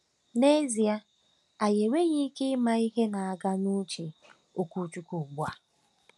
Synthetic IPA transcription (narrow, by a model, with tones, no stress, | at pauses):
ne˦zi˨a˦ | a˨je˨we˦ɲi˦ke˦ma˦i˦ɦe˦na˨a˨ɡa˦nu˦t͡ʃe˨ | o˨ku˦t͡ʃu˦ku˨ɡ͡bʷa˦